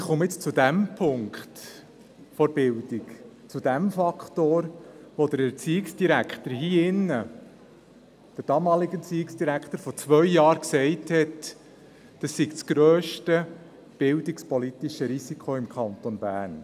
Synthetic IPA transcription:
ɪχʊmɪt͡st͡sudæmpʰʊŋkχt | fɔɾb̥ɪldik | t͡sud̥æmfɑkχtoːɾʋod̪əɾɛt͡siɪksd̥iɾækχtəɾɦiːɪnːə | d̥əɾd̥ɑmɑːliɡət͡siːɪksd̥iɾækχt̪əɾfɔt͡sʋœɥjɑːɾksɛɪthɛt | d̥ɑsːikt͡sɡ̥ɾøːʃtə | b̥ɪldɪkspɔlitiʃəɾisikʰoɪmkʰɑnt̪ɔnbæ̰ːɾn

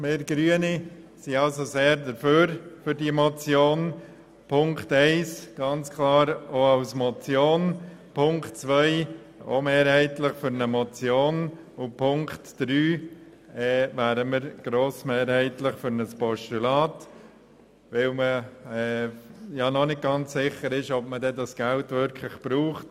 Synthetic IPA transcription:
meːɾɡ̥ɾyənisiɑlsoseːɾdəɾføːɾfʏɾdimɔt͡sjoːn | pʰʊŋktɛɪsɡ̥ɑnt͡skʰlɑːɾoaʊsmɔt͡sjoːn | pʰʊŋktt͡sʋœɪ | o̰meːɾhæɪtlɪχfʏɾnəmɔt͡sjoːn | ʊpʰʊŋktd̥ɾyː | ɛːvæːɾəməɾɡ̥ɾoːsmeːɾhɛɪtlɪχfʏɾnəspɔʃtulɑːt | ʋɪlməɛːjɑnɔnɪt̚ɡ̥ɑnt͡ssɪχəɾɪʃɔbmədɛdɑsɡ̥æltʋʏɾkʰlɪχb̥ɾuːχt

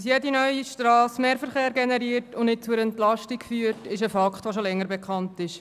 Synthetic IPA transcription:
s̬jedinœʏiʃtrɑːsmeːɾfəɾχeːɾɡɛnɛɾiːɾtʊndnɪt̚t͡suɾɛntlɑʃtikfyːəɾtɪʃəfɑkχt̪vʋoʃolɛŋːəɾbɛkχɑntɪʃ

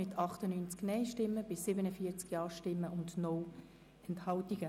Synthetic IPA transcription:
ɪt̪ʰɑχt̪ənyːnt͡sknɛɪʃtɪmːəb̥ɪsːɪbənəfiət͡skjɑːʃtɪmːəʔʊndnɔː | ɛnthɑltiɡə

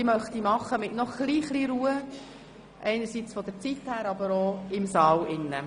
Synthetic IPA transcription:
imœχt̪imɑχːəmɪtnɔχɡ̥liːχliːɾuːə | ʔɛɪnəɾsiːt͡sfɔd̪əɾt͡sithæːɾɑbəɾoːɪmsɑːlɪnːə̰

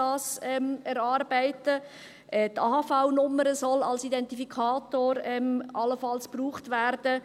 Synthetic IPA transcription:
ɑːsɛmɛɾɑːɾbæɪtə | ʔɛːtɑːhɑfaʊnʊməɾəsɔlɑ̰lsidɛntifikʰɑːtoːɾɛmɑlːəfɑlspruːχtʋæːɾd̥ə

